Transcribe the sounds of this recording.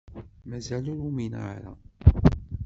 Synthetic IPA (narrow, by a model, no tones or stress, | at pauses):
mæzælʊɾuminə̰ɾa̰